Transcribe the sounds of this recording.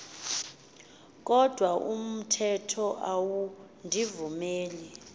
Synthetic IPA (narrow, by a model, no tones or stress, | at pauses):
k̬ʼɔd̥ʱwaʔum̩tʰɛtʰɔʔawu | ndʱivumeːli